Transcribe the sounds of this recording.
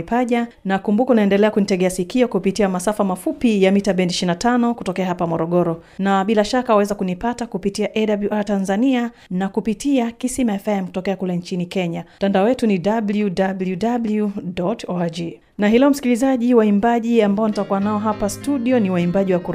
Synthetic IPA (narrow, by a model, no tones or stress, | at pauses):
paʄa | nakumbukɔunaɛndɛlɛakunitɛɡɛasikiɔkupitiamasafamafupijamitaɓɛntiʃinatanɔkutɔkɛaɦapamɔɾɔɠɔɾɔnaɓilaʃakawawɛzakunipatakupitiaʔɛdabluʔatanzania | nakupitiakisimaɛfɛm̩ku̥tɔkɛakulɛnt͡ʃinikɛɲatandaɔwɛtuniɗabludabljudabludɔtɔad͡ʒi | naɦilɛɔm̩si̥kilizaʄiwaimbaʄiambaɔnitakuwanaɔɦapastuɗiɔniwaimbaʄiwakuɾ